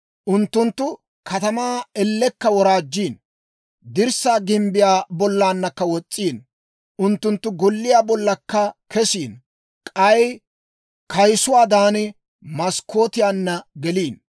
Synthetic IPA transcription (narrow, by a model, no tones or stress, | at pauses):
ʔʊnt̪ːʊnt̪ːʊ | kʰɐt̪ɐmaːɛlːɛkːɐwɔɾaːd͡ʒːiːn | d̪ɪɾsaːɡɪmbɪjaːbɔlːaːnːɐkːɐwɔt͡sʼːiːn | ʔʊnt̪ːʊnt̪ːʊɡɔlːɪjaːbɔlːɐkːɐkʰɛsiːn | kʼɐj | kʰɐjsʊwaːd̪aːnɪ | mɐskʰːo̞ːt̪ɪjaːnːɐɡɛliːn